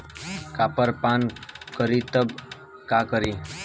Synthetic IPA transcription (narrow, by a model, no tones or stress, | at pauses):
kapəɾpankəɾit̪əb | kakəɾiː